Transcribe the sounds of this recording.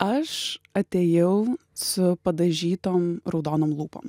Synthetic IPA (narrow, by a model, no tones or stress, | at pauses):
ɐʃɐt̪ʲeːjɛʊ | sʊpɐd̪ɐʒʲiːt̪oːmɾɐʊd̪oːnoːmlˠuːpo̰ːm